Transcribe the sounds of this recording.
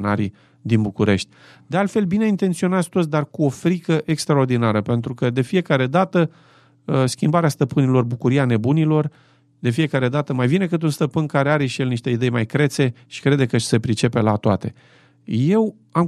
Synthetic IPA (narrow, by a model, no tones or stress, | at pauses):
naɾḭ | d̪inbukuɾe̞ʃt̪ʲ | d̪e̞alt̪fe̞lbine̞int̪ent̪sio̞nat̪st̪ot̪sʲd̪arkuo̞fɾikəʔe̞kst̪ɾao̞rd̪inaɾəpe̞nt̪ɾukəd̪e̞fije̞kaɾe̞d̪at̪ə | skʲimbaɾeast̪əpɨnilo̞rbukuɾiane̞bunilo̞r | d̪e̞fije̞kaɾe̞d̪at̪əmajvine̞kɨt̪̬unst̪əpɨnkaɾe̞aɾeʃijelniʃt̪e̞id̪e̞jmajkɾe̞t̪se̞ʃi̥kɾe̞d̪ekəse̞pɾit͡ʃe̞pe̞lat̪oat̪e̞ | je̞w | am